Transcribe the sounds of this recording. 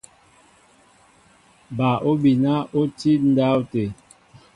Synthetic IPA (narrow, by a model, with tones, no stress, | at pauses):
ba˨ʔo˦bi˨na˦o˦ti˦n̩˦da˦wte˨